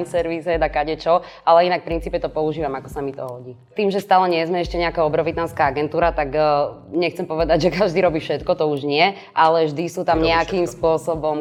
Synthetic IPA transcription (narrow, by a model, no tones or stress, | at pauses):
msɛɾʋisɛd̪akaɟɛt͡ʃɔ | alɛinakfpɾint͡siːpɛt̪ɔpɔuʒiːʋamakɔsamit̪ɔ̰ɦɔɟiː | t̪iːmʒɛst̪aːlɛɲɪɛzmɛɛʃcɛɲɛakaːɔbɾɔʋit̪nanskaːaɡɛnt̪uːɾat̪aɡɲɛxt͡sɛmpɔʋɛd̪aɟʒɛkaʒd̪iːɾɔbiːfʃɛt̪kɔt̪ɔuʒɲɪɛ | ʔalɛʒd̪isuːt̪amɲɛakimspʊɔsɔbɔm